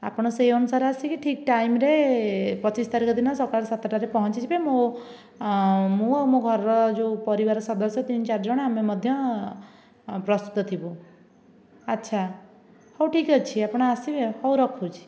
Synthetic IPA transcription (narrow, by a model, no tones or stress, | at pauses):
a̰pɽ̃ɔseiɔnusaɾasikiʈʰik̚ʈajmɾepɔt͡ʃist̪aɾikɔd̪inɔsɔɾkaɭsat̪ʈaɾepɔɦɔt͡ʃit͡ʃʰibemo | mũawmõɡʱɔɾɔɾɔd͡ʒopɔɾiβaɾɔsɔd̪ɔsjɔt̪int͡ʃaɾd͡ʒɔɽ̃amemɔd̪ʱjɔ | pɾɔst̪u̥t̪ɔt̪ʰibu | ətːʃʰa | hɔwʈʰikɔt͡ʃʰiapɽ̃ɔasibehɔwɾɔkʰut͡ʃʰi̥